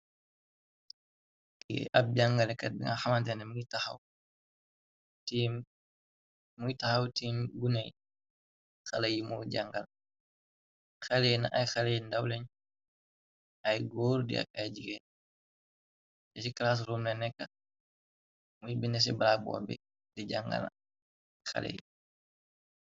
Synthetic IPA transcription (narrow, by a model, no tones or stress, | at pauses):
kiʔɐp̚ɟaŋɡɐlɛkɐt̚biŋaxɐmɐntɛnɛmuitaxɐ̰w | tiːm | mujitɐxɐwtiːmɡunɛj | xɐlɐjimɔːɟaŋɡɐl | xalejnaʔajxalendawlɛɲ | ajɡɔːɾdḭa̰kajɟiɡen | tɛsiklaːs̬ɾumnɛnɛkːɐ | mujibindɛs̬ibɾak̚bɔ̰ːbɛ̰ | diɟaŋɡa̰l̰ | xa̰lḛj